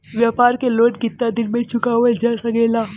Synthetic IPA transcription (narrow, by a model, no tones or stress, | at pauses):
ʋjaːpaːɾkeloːʈkɪt̪ːad̪ɪnmẽt͡ʃʊkaɦuɛd͡ʒasɐɡeːlaː